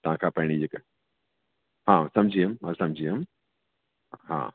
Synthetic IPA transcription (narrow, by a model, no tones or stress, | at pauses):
t̪ɐɦãkʰapɐɦɪɽ̃id͡ʒɪk | ɦãsɐ̃md͡ʒʱiəmɐsɐ̃md͡ʑʱiːəm | ɦã̰ː